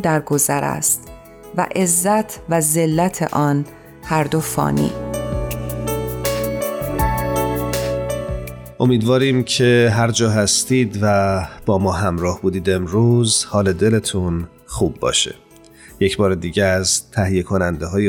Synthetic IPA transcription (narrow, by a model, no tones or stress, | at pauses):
d̪æɾɡozæɾæ̰st̪ | væ̰ʔe̞zːæt̪ʰvæze̞lːæt̪ʰḛʔɒːn | hæɾd̪ofɒ̰ːnḭː | ʔo̞miːd̪vɒːɾiːmcʰeɦæɾd͡ʒɒːɦæst̪iːd̪væb̥ɒːmɒːɦæmɾɒːhbuːd̪iːd̪e̞mɾuːzhɒːle̞d̪e̞le̞t̪ʰun | xuːbːɒ̰ːʃḛ | je̞cbɒːɾed̪iːɟezt̪ʰæɦije̞kʰonænd̪eɦɒːje